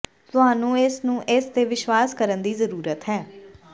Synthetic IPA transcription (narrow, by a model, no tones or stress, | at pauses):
t̪ʊɦaːnũːɪsnũːʔɪst̪eːʋɪʃʋaːskəɾənd̪iːzəɾuːɾət̪ɦɛː